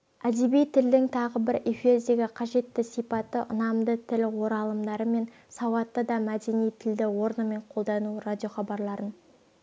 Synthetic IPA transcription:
æd̪ebijt̪ʰɪld̪ɪŋt̪ʰɑʁəbɪɾefezeɡʲeqʰɑʒe̞t̪ːɪsijpɑt̪ːəʔʊnɑmd̪ət̪ʰɪlwo̞ɾɑlˠəmd̪ɑɾəme̞n | sɑwɑt̪ːəd̪ɑmæd̪e̞nijt̪ʰɪld̪ɪwo̞ɾnəme̞ɴqʰo̞lˠd̪ɑnurad̪ʲijo̞χɑbɑɾlˠɑɾən

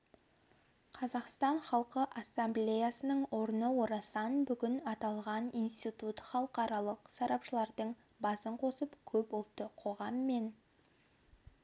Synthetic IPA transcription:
qʰɑzɑqst̪ɑɴχɑlˠqəʔasːamblʲejasənəɴwo̞ɾənəwo̞ɾɑsɑnbʏɡʲɪnɑt̪ɑlˠʁɑnijnst̪ijt̪ut̪χɑlˠəqɑɾɑlˠəqsɑɾɑpʃəlˠɑɾd̪əɴ | bɑsəɴqʰo̞səpkʲʰɵpwolˠt̪əqʰo̞ʁɑmːe̞n

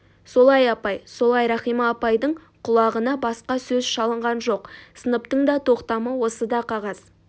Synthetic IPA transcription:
so̞lˠɑjɑpɑjso̞lˠɑjɾɑχijmɑːpɑjd̪əɴ | qʰʊlˠɑʁənɑbɑsqɑsɵzʃɑlˠəɴʁɑnʒo̞qsənəpt̪əɴd̪ɑt̪ʰo̞qt̪ɑməwo̞səd̪ɑqʰɑʁɑz̥

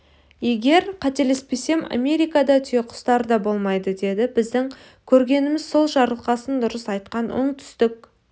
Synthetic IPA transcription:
je̞ɡʲe̞ɾqʰɑt̪e̞le̞spe̞se̞ma̰mʲe̞ɾijkɑd̪ɑt̪ʰʏje̞qʰʊ̥st̪ɑɾəd̪ɑbo̞lˠmɑjd̪əd̪e̞d̪ɪbɪzd̪ɪŋ | kʲʰɵɾɡʲe̞nɪmɪzso̞lˠʒɑɾəlˠqɑsənd̪ʊɾəsɑjt̪qɑnʊ̰ɴt̪ʰʏ̥st̪ɪk̚

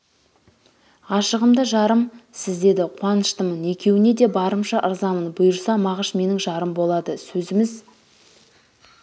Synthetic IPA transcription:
ɑʃəʁəmd̪əʒɑɾəmsɪzd̪e̞d̪ɪqʰwɑnəʃt̪əməne̞kʲʰe̞wɪne̞d̪e̞bɑɾəmʃɑʔəɾzɑmənbʊjəɾsɑmɑʁəʃme̞nɪŋʒɑɾəmbo̞lˠɑd̪əsɵzɪmɪz

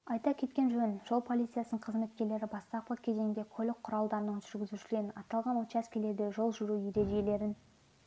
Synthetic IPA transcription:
ɑjt̪ɑkʲʰe̞t̪kʲe̞nʒɵnʒ̥o̞lˠpʰo̞lˠit̪sɨjasənəɴqʰəzme̞t̪kʲe̞ɾle̞ɾɪbɑst̪ɑp̚pəkʲʰe̞ze̞ŋŋd̪e̞kʲʰɵlɪk̚qʰːʊɾɑlˠd̪ɑɾənəɴʒʏɾɡʲɪzuʃɪle̞ɾɪnɑt̪ɑlˠʁɑnwot̪t͡ʃæskʲele̞ɾd̪e̞ʒo̞lˠʒʏɾujeɾe̞d̪ejle̞ɾɪn

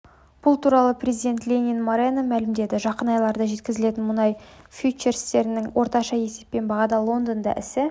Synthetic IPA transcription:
b̥ʊlˠt̪ʰuɾɑlˠəprʲe̞zid̪e̞nt̪lʲenʲinmoɾenəmælɪmd̪e̞d̪ɪʒɑqənɑjlˠɑɾd̪ɑʒe̞t̪kʲɪzɪle̞t̪ɪnmʊnɑjfʲjut͡ʃeɾst̪e̞ɾɪnɪŋwʔo̞ɾt̪ɑʃɑje̞se̞pːe̞nbɑʁɑd̪ɑlˠo̞nd̪ond̪ɑ̰ʔɪsɪ

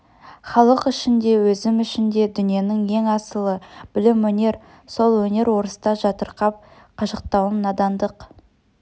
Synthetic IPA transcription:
χɑlˠəqɪʃɪnd̪e̞wɵzɪmɪʃɪnd̪e̞d̪ʏnije̞nɪŋje̞ŋɑsəlˠəb̥ɪlɪmwɵne̞ɾ | so̞lˠwɵne̞ɾwo̞ɾəst̪ɑʒɑt̪əɾqɑp̚ | qʰɑʃəq̚t̪ɑwəmnɑd̪ɑnd̪əq

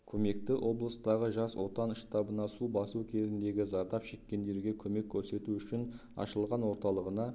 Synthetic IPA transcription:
kʲʰɵme̞kt̪ɪʔo̞blˠəst̪ɑʁəʒɑswo̞t̪ɑnʃt̪ɑbənɑsubɑsukʲʰe̞zɪnd̪e̞ɡʲɪzɑɾd̪ɑpʃe̞kʲːe̞nd̪e̞ɾɡʲe̞kʲʰɵme̞kkʲʰːɵɾse̞t̪uʏʃɪn | ɑ̰ʃəlˠʁɑnwo̞ɾt̪ɑlˠəʁənɑ

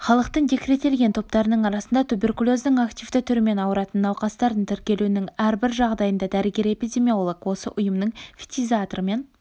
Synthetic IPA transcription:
χɑlˠəqt̪ənd̪ʲe̞kʲɾe̞t̪e̞lɡʲe̞nt̪ʰo̞p̚t̪ɑɾənəɴɑɾɑsənd̪ɑt̪ʰube̞rkulˠo̞zd̪ɪŋakt̪ʲivd̪ɪt̪ʰʏɾɪme̞nɑwəɾɑt̪ənːɑwqɑst̪ɑɾd̪ənt̪ʰɪɾkʲe̞lunɪŋæɾbɪɾʒɑʁd̪ɑjənd̪ɑd̪æɾɪɡʲe̞ɾe̞pʲijd̪ʲe̞mʲio̞lˠokwo̞sə̰ʔʊjəmnəɴfi̥t̪izat̪oɾəme̞n

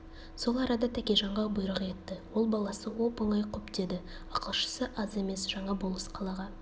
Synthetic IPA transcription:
so̞lˠɑɾɑd̪ɑt̪ʰækʲejʒɑɴʁɑbʊjɾəʁe̞t̪ːɪwo̞lˠbɑlˠɑsəwo̞pəlɑjqʰɵpt̪e̞d̪ɪɑqəlˠʃə̥səʔɑze̞me̞sʒ̥ɑɴɑbolˠəsqʰɑlˠɑʁɑ

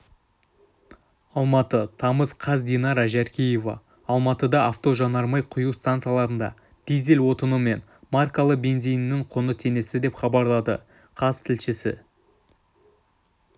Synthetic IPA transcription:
ɑlˠmɑt̪ət̪ʰɑməzqʰɑzd̪inɑɾɑʒæɾkʲeje̞vɑ̰ː | lˠmɑt̪əd̪ɑɑft̪o̞ʒɑnɑɾmɑjqʰʊjuwst̪ant̪sɨjalˠɑɾənd̪ɑ̰ | d̪̥ijzelwo̞t̪ənume̞n | markalˠəqbe̞nzijnːɪŋqʰonət̪ʰe̞ne̞sɪd̪e̞pχɑbɑɾlˠɑd̪ə̰ | qʰɑzt̪ʰɪlʃɪsɪ̰

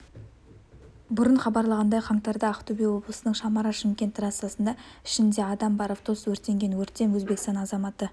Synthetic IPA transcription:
bʊɾəɴχɑbɑɾlˠɑʁɑnd̪ɑjqʰɑɴt̪ɑɾd̪ɑːqt̪ubejwo̞blˠəsənəɴʃɑmɑɾɑʃɪmkʲe̞nt̪rat̪sɑsənd̪ɑɪʃɪnd̪e̞ɑd̪ɑmbɑɾoft̪ʰo̞swɵɾt̪e̞ŋɡʲenwɵɾt̪ːe̞mwɵzbe̞kɪst̪ɑnɑzɑmɑt̪ə

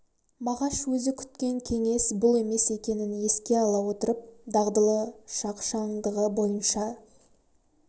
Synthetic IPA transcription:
mɑʁɑʃwɵzɪkʲʰʏ̥t̪̚kʲe̞ŋkʲʰe̞ŋe̞sbʊlˠe̞me̞se̞kʲe̞nɪnje̞skʲe̞ɑlˠɑwo̞t̪əɾəp̚d̪ɑʁd̪əlˠəʃɑqʃɑɴd̪əʁəbo̞jənʃɑ

